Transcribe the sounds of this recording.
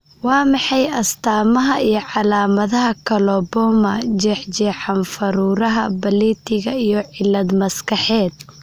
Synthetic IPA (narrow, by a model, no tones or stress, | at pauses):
wɑːmɑħɑjɐst̪ʰaːmɐɦɐijɞʕɑlaːmɐðɐɦɐkʰɐlɔbɔːmɐd͡ʒɛːħt͡ʃɛːħɑnfɐɾuːɾɐɦɐbɐlit̪ʰɪɣɐijɔʕɪlːɐd̪mɐskʰɐħɛːd̪̚